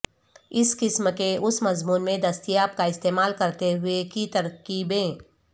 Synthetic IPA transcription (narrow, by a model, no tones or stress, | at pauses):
ɪskɪsmkeʊsmɐzmuːnmẽd̪ɐst̪ijaːb̚kaɪst̪eːmaːlkɐɾt̪eɦʊekit̪ɐɾkiːbẽː